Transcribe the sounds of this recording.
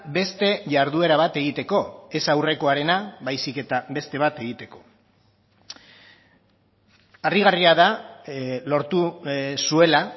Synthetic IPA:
be̞st̪e̞ʝaɾðue̞ɾaβ̞at̪e̞ɣ̞it̪e̞ko̞e̞sawre̞ko̞aɾe̞naβajsike̞t̪abe̞st̪e̞β̞at̪e̞ɣ̞it̪e̞ko̞̥ | ariɣ̞ariaða | lo̞ɾt̪usue̞la

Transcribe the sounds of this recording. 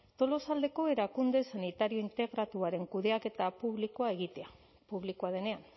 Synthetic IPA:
t̪o̞lo̞sald̪e̞ko̞e̞ɾakund̪e̞sanit̪aɾio̞int̪eɣɾat̪uaɾe̞ŋkuðe̞ake̞t̪apuβlikoae̞ɣit̪e̞a | puβlikoaðe̞ne̞an

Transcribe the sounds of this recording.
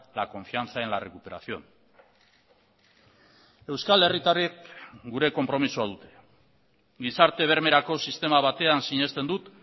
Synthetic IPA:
lako̞ɱfiant͡sae̞nlare̞kupe̞ɾa̰θio̞n | e̞wskale̞rit̪ariek̚ɡuɾe̞ko̞mpɾo̞misuað̞ut̪e̞̥ | ɡisaɾt̪e̞β̞e̞ɾme̞ɾako̞sist̪e̞maβ̞at̪e̞ansiɲe̞st̪e̞nd̪ut̪

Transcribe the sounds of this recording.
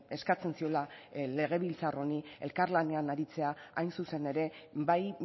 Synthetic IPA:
e̞skat͡se̞nsio̞lale̞ɣ̞e̞β̞ilt͡saro̞nie̞̰lkaɾlane̞anaɾit͡se̞aajnsuse̞ne̞ɾe̞baj

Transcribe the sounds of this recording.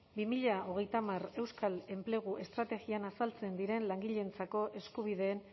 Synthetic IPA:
bimiʎao̞ɣ̞e̞jt̪amare̞wskale̞mple̞ɣ̞uʔe̞st̪ɾat̪e̞ɣianasalt͡se̞nd̪iɾe̞nlaŋɡiʎe̞nt͡sako̞ʔe̞skuβ̞iðe̞ːn

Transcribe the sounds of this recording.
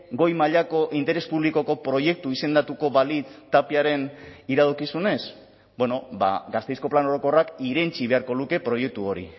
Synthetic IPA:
ɡo̞jmaʎako̞ʔint̪e̞ɾe̞spuβliko̞ko̞pɾo̞je̞k̚t̪uise̞nd̪at̪uko̞βalit͡st̪apiaɾe̞niɾaðokisune̞s | bwe̞no̞ba̰ɡast̪e̞jsko̞plano̞ɾo̞ko̞rakiɾe̞nt͡ʃiβe̞aɾko̞luke̞pɾo̞je̞k̚t̪uo̞ɾḭ

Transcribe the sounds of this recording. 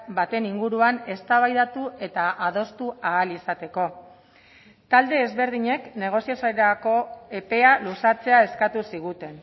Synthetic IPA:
bat̪e̞niŋɡuɾuane̞st̪aβajðat̪uʔe̞t̪aʔaðo̞st̪uaːlisat̪e̞ko̞ | t̪ald̪e̞ːzβe̞ɾð̞iɲe̞kne̞ɣ̞o̞siosaeako̞e̞pe̞alusat͡se̞ae̞skat̪usiɣ̞ut̪e̞n

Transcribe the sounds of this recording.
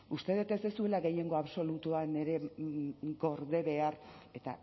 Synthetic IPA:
ust̪e̞ðet̪esesue̞laɣe̞je̞ŋɡo̞aβso̞lut̪uane̞ɾe̞ | ɡo̞ɾðe̞βe̞are̞t̪a̰

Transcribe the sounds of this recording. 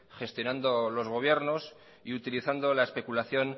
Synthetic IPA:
xe̞st̪jo̞nãnd̪o̞lo̞zɣ̞o̞β̞je̞ɾno̞s | iut̪iliθand̪o̞laespe̞kulaθjo̞n

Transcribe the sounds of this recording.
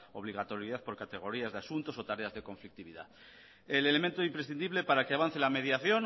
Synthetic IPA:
o̞βliɣ̞at̪o̞ɾjiðaθpo̞ɾkat̪e̞ɣ̞o̞ɾiazðeasunt̪o̞so̞t̪aɾe̞azðe̞ko̞ɱflik̚t̪iβiða̰ | ele̞lement̪oimpɾesθiniβle̞paɾakeaβan̟θe̞lame̞ð̞jaθjo̞n

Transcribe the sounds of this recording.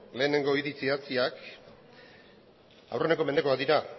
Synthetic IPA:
le̞ːne̞ŋɡo̞iðit͡siat͡siak | a̰wre̞ne̞ko̞mend̪eko̞ak̚d̪iɾa

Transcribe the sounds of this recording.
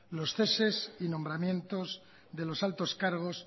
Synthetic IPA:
lo̞sθe̞se̞sinõ̞mbɾamjẽ̞nt̪o̞z | ðe̞lo̞salt̪o̞skaɾɣ̞o̞s

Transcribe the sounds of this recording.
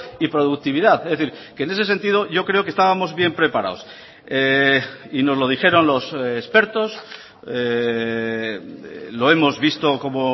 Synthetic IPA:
ipɾo̞ðuk̚t̪iβ̞iðaθezðeθiɾkene̞se̞se̞nt̪ið̞o̞ʝo̞kɾe̞o̞kest̪aβamo̞zβje̞mpɾe̞paɾa̰os | e | ino̞zlo̞ð̞ixe̞ɾo̞nlo̞sespe̞ɾt̪o̞s | e | lo̞e̞mo̞zβist̪oko̞mo

